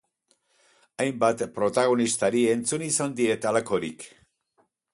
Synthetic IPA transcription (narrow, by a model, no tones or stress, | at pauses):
ajmbat̪pɾo̞t̪aɣo̞nist̪aɾie̞nt͡sunisand̪ie̞t̪alako̞ɾḭk